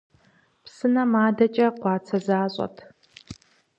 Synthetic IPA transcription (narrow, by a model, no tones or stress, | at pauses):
psɨnɐmaːdɐt͡ʃʼɐqʷɑːt͡sʰɐzaːɕʷʼɐ̰tʰ